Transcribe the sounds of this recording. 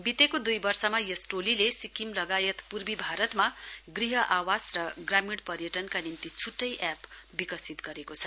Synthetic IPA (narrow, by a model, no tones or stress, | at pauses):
bit̪ekod̪ujbʌrsʌmajʌsʈolilesikimlʌɡajʌt̪purbibʱaɾʌt̪maɡriɦʌʔawasrʌɡramiɽpʌrjʌʈʌnkanint̪it͡sʰuʈːʌjʔapbikʌsit̪ɡʌɾekot͡sʰʌ